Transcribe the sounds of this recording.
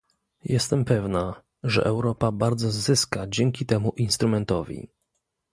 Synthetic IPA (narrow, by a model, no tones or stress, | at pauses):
jɛst̪ɛmpɛvna | ʐɛ̰ʔɛwɾɔpabaɾd̪zɔzɘskad͡ʑɛŋkʲit̪ɛmuʔinst̪ɾumɛnt̪ɔvʲḭ